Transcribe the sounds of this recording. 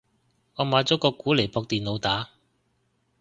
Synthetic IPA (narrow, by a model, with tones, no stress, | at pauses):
ŋɔː˨˧maː˨˧jt͡sɔː˨˥kɔː˧kuː˨˥le˨˩jpɔː˧k̚t̪iː˨nlo˨˧wt̪aː˨˥